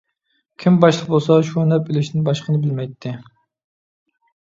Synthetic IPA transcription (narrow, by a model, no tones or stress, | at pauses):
kʲʰimbɑʃlˠəq̚bolˠsɑʃunɛpɪlɪʃnɪŋbɑʃqʰənɨbɪlmɛjt̪ʰːɪ